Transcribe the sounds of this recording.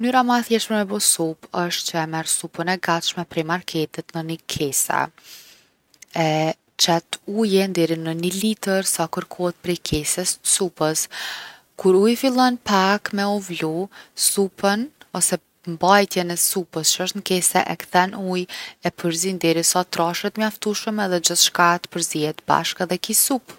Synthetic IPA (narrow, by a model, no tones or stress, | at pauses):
ənyɾaməɛθjɛʃmɛmɛbɔsupəʃt̪t͡ʃəɛmɛɾsupənɛɡat̪ʃmɛpɾɛjmaɾkʰɛt̪ɛt̪nənəkʰɛsɛ̰ | ɛ | t͡ʃɛt̪ujɛnd̪ɛɾinənilit̪əɾsakəɾkʰɔhɛt̪̚pɾɛjkʰɛsɛssupəs | kuɾujfilˠɔnpakmɛuvlusupʰənɔsɛ | mbajt̪jɛnɛsupəst͡ʃəʃt̪nkɛsɛʔɛkθɛnujɛpʰəɾzind̪ɛɾisat̪ɾaʃət̪mjaft̪uʃəmɛðɛd͡ʒəθʃkat̪pəɾziɛt̪ba̰ʃkaðɛkisup